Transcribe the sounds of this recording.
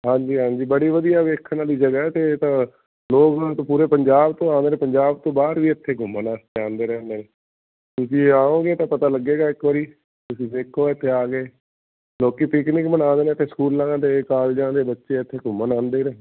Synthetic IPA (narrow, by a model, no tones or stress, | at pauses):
ɦãːɲd͡ʒiːɦãːɲd͡ʒiːbəɽiːʋəd̪ijaːʋeːkʰːnaːliːd͡ʒəɡaːɛːt̪eːt̪ãː | loːkt̪õpuːɾeːpəɲd͡ʒaːbt̪õːaːnd̪eːnẽːpəɲd͡ʒaːb̚t̪õːbaːɾʋiːɪt̪ʰːeːɡʱʊmənaːst̪eːãːnd̪eːɾɛːnd̪eːneː | t̪ʊsĩːaːõːɡeːt̪ãːpət̪aːləɡːeːɡaːɪkʋaːɾiː | t̪ʊsĩːseːkʰːoːɪt̪ʰːeːaːɡeː | loːkiːpɪknɪkbənãːd̪eːnet̪ʰːeːskuːlãːd̪eːkaːld͡ʒãːd̪eːbətːʃeːɪt̪ʰːeːɡʱʊmənãːnd̪eːɾẽː